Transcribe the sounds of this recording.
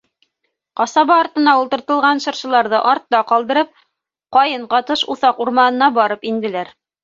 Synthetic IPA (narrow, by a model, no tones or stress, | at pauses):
qɑsɑβɑːɾt̪ɤ̆nɑulˠt̪ɤ̆ɾt̪ɤ̆lˠʁɑnʃɤ̆ɾʃɤ̆lˠɑɾðɤʔɑɾt̪ːɑqɑlˠd̪ɤ̆ɾɤp̚ | qɑjɤɴqɑt̪ɤʃuθɑquɾmɑnɤ̆nɑbɑɾɤpind̪ɘ̆læɾ